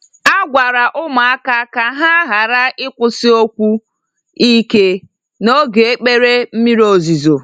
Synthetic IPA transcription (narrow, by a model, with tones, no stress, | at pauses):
a˦ɡʷa˨ɾa˨ʔʊ˦ma˨a˦ka˦ka˨ɦa˦ɦa˨ɾa˦ʔɪ˦kʷʊ˨sɪ˦o˦kʷu˦ | i˦ke˦ | no˦ɡe˨e˦k͡pe˦ɾe˦m̩˦mi˦ɾo˨zi˨zo˨